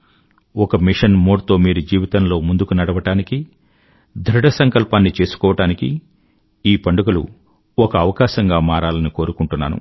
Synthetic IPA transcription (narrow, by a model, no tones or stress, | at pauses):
ɔkɐmiʂɐnmoːɽt̪o̞ːmiːɾud͡ʒiːʋit̪ɐnlo̞ːmund̪ukunɐɽɐʋɐʈaːniki | d̪ʱɾɐɽɐsɐŋkɐlpaːnːit͡ʃe̞ːsu̥kɔːʋɐʈaːniki | iːpɐɳɖuɡɐlṵ | ɔkɐːʋɐkaːʃɐŋɡaːmaːɾaːlɐniko̞ːɾukuɳʈunːa̰ːnṵ